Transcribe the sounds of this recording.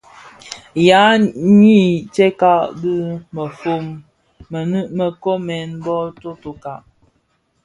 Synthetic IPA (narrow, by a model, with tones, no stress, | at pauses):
ja˨˦ɲi˦˨t͡ʃe˦ka˦ʔɡɨ˦mə˨fo˦mː˨ | nɨ˦mə˨ko˦mɛ˨nbɔ˦to˦to˨ka˨ʔ